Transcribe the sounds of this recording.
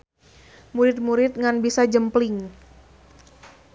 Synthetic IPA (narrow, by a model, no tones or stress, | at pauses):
muɾɪt̪̚muɾɪt̪̚ŋanbisad͡ʒəmplɪŋ